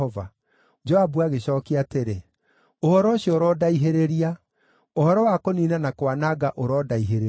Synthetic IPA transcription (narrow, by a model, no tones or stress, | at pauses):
ɔva | d͡ʒɔabuaɣeɕɔːkiateɾe | ohɔɾɔɕjɔoɾɔdaiɦeɾeɾia | ohɔɾɔwakoniːnanakwanaɣaʔoɾɔdaiɦeɾe